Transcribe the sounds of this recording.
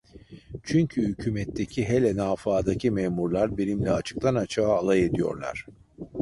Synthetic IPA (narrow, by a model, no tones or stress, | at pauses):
t͡ʃʰyɲcʰyhycʰyːmɛt̪ʰːecʰiɦelʲɛnaːfaːd̪acʰimeːmuɾlˠaɾbenimlʲɛat͡ʃʰɯ̥k̚t̪ʰanat͡ʃʰaːlˠaje̞d̪ijo̞̰ɾlˠa̰ɾ̥